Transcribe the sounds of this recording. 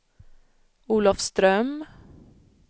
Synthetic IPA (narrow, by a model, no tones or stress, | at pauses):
uːlɑfst̪ɾœm